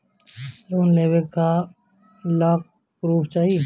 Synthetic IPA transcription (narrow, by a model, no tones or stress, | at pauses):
ɾuːnleːwekːa | laːk̚ | kɾuːpt͡ʃaːɦi